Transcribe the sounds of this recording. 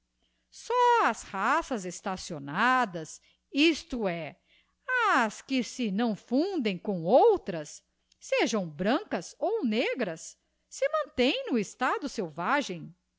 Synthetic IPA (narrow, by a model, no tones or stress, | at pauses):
sɔɐshasɐzest̪asionad̪ɐs | ist̪ʊɛ | ɐskɪsɪnɐ̃w̃fũd̪ẽj̃kõw̃owt̪ɾɐsː | eʒɐ̃w̃bɾɐ̃ŋkɐsowneɡɾɐsː | ɪmɐ̃nt̪ẽj̃nʊest̪ad̪ʊsewvaʒẽj̃